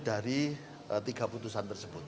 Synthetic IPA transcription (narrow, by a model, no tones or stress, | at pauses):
d̥aɾi | ət̪iɡaput̪usant̪ərsəb̥ʊt̪̚